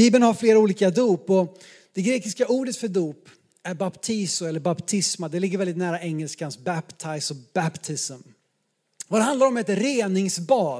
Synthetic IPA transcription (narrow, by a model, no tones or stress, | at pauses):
biːbənhaɾfleːɾauːliːkad̪uːpɔ | d̪̥ɛɡɾeːkɪskauːɖət̪fœd̪uːp | æɾbapt̪ʰiːsʊɛlːəɾbapt̪ʰɪsmad̪ɛlɪɡːəɾvɛld̪ɪt̪næːɾaɛŋːɛlskansbapt̪ʰaɪsɔb̥æpt̪ʰɪsm | vad̪ɛɦand̪laɾɔmhɛt̪ɾeːnɪŋsbɑː